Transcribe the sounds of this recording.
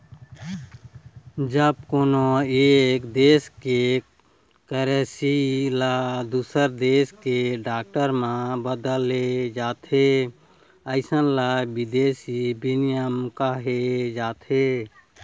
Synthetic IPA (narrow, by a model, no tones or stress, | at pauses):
d͡ʒəb̚koːnoekd̪eːske | kəɾesilad̪usəɾd̪eskeɖaːk̚ʈəɾmãbəd̪əled͡ʒat̪ʰɦe | əɪsənlabid̪esibinijəmkaɦed͡ʒaːt̪ʰɦe